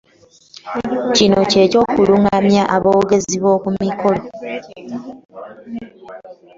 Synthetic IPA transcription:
cino̞ce̞ːco̞ːkuluŋamjaʔaβoːɡe̞ziβwo̞ːkumiko̞lo̞

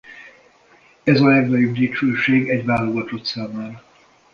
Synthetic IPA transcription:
ɛzɒlɛɡnɒjobd̪it͡ʃøːʃeːɡɛɟʋaːlo̞ɡɒt̪ot̪saːmaːɾɒ

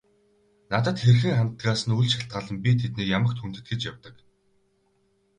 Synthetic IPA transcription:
nat̪ə̆t̪xerxɘ̆ŋχant̪̆ɡaːsə̆nujɮʃaɬt̪̚ɢaːɮə̆mpʲit̪ʰet̪niːkjamə̆kt̪ʰun̥t̪ɘ̆t̪̚ɡĕt͡ɕjawt̪ə̆k

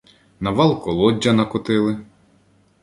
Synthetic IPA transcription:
nɐʋɑlˠkɔlˠɔdʲːɐnɐkʊt̪ɪlˠɪ

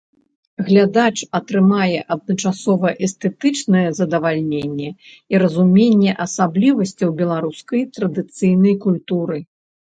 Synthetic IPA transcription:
ɣlʲad̪at͡ʂɐt̪ɾɨmajɛʔɐd̪̚nɐt͡ʂasɔvɐʔɛst̪ɛt̪ɨt͡ʂnɐjɛzɐd̪ɐvalʲnʲenʲːɛ | iɾɐzumʲenʲːɛʔɐsablʲivɐsʲt͡sʲɐwbʲɛlˠaɾuskɐjt̪ɾɐd̪ɨt̪sɨjn̪ɐjkulʲt̪uɾɨ

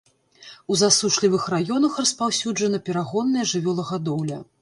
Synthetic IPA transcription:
uzasuʂlʲivɨxrajɔnɐxrɐspawsʲud͡ʐɐnɐpʲɛɾaɣɔnːɐjɐʐɨvʲɔlˠɐɣad̪ɔwlʲɐ

